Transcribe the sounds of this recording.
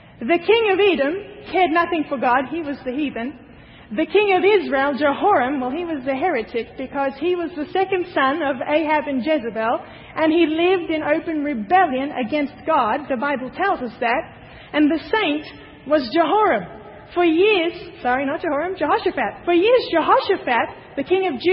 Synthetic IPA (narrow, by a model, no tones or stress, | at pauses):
ðɨkʰɪ̃ŋʌviɾɨ̃mkʰɛɹdⁿnʌθɪ̃ŋfə˞ɡɑd̚iwʌzðɨhivɨ̃n | ðɨkʰɪ̃ŋʌvɪzɹeɪlˠd͡ʒəhɔɹɨ̃mwaɪlˠiwʌzðɨɦɛɹɨɾɨk̚b̥ɨkʰʌz̥iwʌzðɨsɛkɨ̃nd̥sʌ̃nʌveɪæbɨ̃nd͡ʒɛzɨbɛlˠ | ʔɨ̃nilɪvdɨ̃noʊpɨ̃nɹɨbɛlˠjɨ̃nɨ̰ɡɛ̃nst̚ɡ̥ɑd̪̚ðɨbaɪbl̩ˠtʰɛlˠzʌsðɨɾ̚ | ɨ̃nðɨsẽɪ̃nt | wʌzd͡ʒɨɦɔɹɨ̃m | fə˞jɪɹz̥sɑɹinət̚ʒ̥ɨhɔɹɨ̃md͡ʒɨhɑʃɨfæt̚fə˞jɪɹzd͡ʒɨɦɑʃɨfæt̪̚ | ðɨkʰɪ̃ŋʌvd͡ʒ